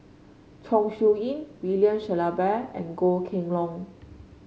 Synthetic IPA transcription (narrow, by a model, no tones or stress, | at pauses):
t͡ʃʰɔ̃ŋʃuĩnwiliə̃nʃɛlabɛɛ̰̃nɡokʰĩŋlɔ̃ŋ